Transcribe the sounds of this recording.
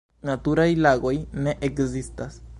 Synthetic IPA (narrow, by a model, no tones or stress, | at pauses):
nat̪uɾajlaɣojneʔekzist̪as